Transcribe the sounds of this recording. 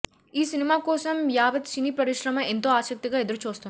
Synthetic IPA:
iːsɪnɪmakoːsɐmjaːʋɐt̪sinipɾɐɾɪʃɾɐmɐ̃ɪ̃nt̪oaːsɐk̚t̪əkaɪd̪ɾt͡ʃʰoːst̪ɐ

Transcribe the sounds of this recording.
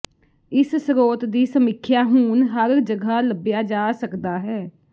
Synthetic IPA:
ɪssɾoːt̪d̪iːsəmɪkʰːjaːɦũːnɦəɾd͡ʒəɡʱaːləbjaːd͡ʒaːsəkd̪aːɦɛː

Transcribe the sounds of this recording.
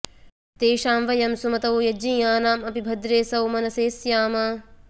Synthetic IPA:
t̪eːʃaːmʋɐjɐmsumɐt̪ɐwjɐd͡ʒĩːjaːnaːmɐpibʱɐd̪ɾeːsɐwmɐnɐseːsjaːmɐ

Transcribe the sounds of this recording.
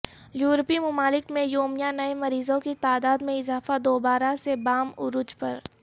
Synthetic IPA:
juːɾpimʊmaːlɪkmẽjoːmijanɐemɐɾiːzõkit̪aːd̪aːd̪mẽɪzaːfad̪oːbaːɾasebaːmʊɾʊd͡ʒpɐɾ

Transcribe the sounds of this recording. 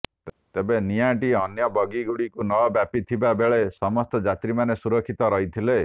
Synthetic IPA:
t̪ebeniaʈ̬ieɔnjɔbɔɡiɡuɽikunɔɔbjapit̪ʰibabeɭesɔmɔst̪ɔd͡ʒat̪ɾimanesuɾɔkʰːit̪ɔɾɔɦit̪ʰile

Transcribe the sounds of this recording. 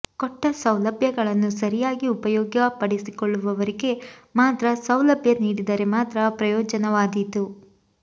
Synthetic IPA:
kɔʈːɐsɐwlɐbʱjɐɡɐɭɐnːusɐɾijaːɡiupɐjɔːɡjɐpɐɽisikɔɭːuʋɐʋɐɾiɡe̞maːt̪ɾɐsɐwlɐbʱjɐniːɽid̪ɐɾe̞maːt̪ɾɐpɾɐjɔːd͡ʒɐnɐʋaːd̪it̪u

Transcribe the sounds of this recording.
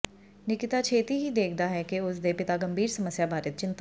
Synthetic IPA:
nɪkɪt̪at͡ʃʰeːt̪iɦid̪eːk̚ʰd̪aɦɛkeʊsd̪epɪt̪aɡɐ̃mbʱiːɾsɐməsjabʱaːɾɪt̪̚t͡ʃɪ̃nt̪a

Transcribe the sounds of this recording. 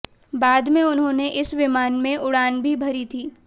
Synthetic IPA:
baːd̪mẽʊnɦõːneʔɪsʋɪmaːnmẽʊɽaːnbʱibʱɐɾit̪ʰiː

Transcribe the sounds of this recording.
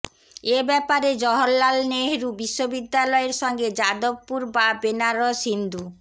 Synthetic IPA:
ebɛpaɾed͡ʑɔɦolːalneɦɾubiʃːobid̪ːalɔeɾʃɔŋɡed͡ʑad̪obpuɾbabenaɾoʃind̪ʱu

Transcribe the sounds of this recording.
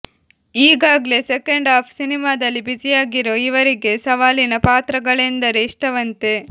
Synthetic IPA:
iːɡaːɡle̞sekeɳɖaːpʰsinimaːd̪ɐlːibid͡ʒijaːɡiɾo̞ːiʋɐɾiɡe̞sɐʋaːlinɐpaːt̪ɾɐɡɐɭend̪ɐɾeiʂʈɐʋɐnt̪e̞

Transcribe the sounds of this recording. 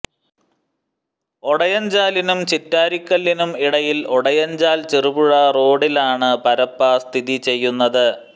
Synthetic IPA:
oɽɐjɐɲd͡ʑaːlinumt͡ɕitːaːɾikʲːɐlːinumiɽɐjiloɽɐjɐɲd͡ʑaːlt͡ɕirubuɻɐro̞ːɽilaːɳɨpɐɾɐpːɐst̪ʰiðit͡ɕe̞jːunːɐðɨ

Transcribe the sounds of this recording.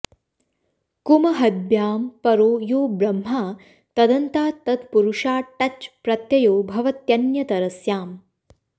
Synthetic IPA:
kumɐɦɐd̪̚bjaːmpɐɾoːjoːbɾɐmːaː | t̪ɐd̪ɐnt̪aːt̪ɐd̪puɾuʂaːʈɐt͡ʃpɾɐt̪jɐjoːbʱɐʋɐt̪jɐnjɐt̪ɐɾɐsjaːm

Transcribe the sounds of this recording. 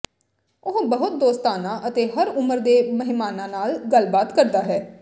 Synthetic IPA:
ʊɦbəɦʊt̪̚d̪oːst̪aːnãːʔət̪eːɦəɾʊməɾd̪eːməɦɪmaːnãːnaːlɡəlbaːt̪kəɾd̪aːɦɛː

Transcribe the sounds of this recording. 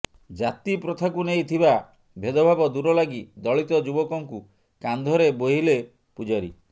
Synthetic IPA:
d͡ʒat̪ipɾɔt̪ʰakunejt̪ʰiba | bʱed̪ɔbʱabɔd̪uɾɔlaɡid̪ɔɭit̪ɔd͡ʒubɔkɔŋku | kand̪ʱɔɾeboɦile | pud͡ʒaɾḭ

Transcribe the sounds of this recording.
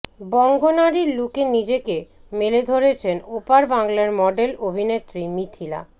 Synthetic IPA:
bɔŋɡʱonaɾiɾlukenid͡ʑekemeled̪ʱoɾet͡ɕʰenopaɾbaŋlaɾmɔɖelobʱinet̪ːɾimit̪ʰila̰

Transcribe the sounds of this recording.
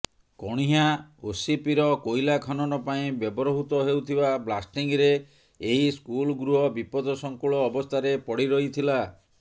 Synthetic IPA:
kɔɽ̃iɦaosipiɾɔkojlakʰɔnɔɾɔpaĩbjɔbɔɾɔɦut̪ɔɦewt̪ʰibablasʈiŋɾeː | ɦiskulɡɾuɦɔbipɔd̪ʱɔsɔŋkuɭɔːbɔst̪ʰaɾepɔɽiɾɔɦit̪ʰila

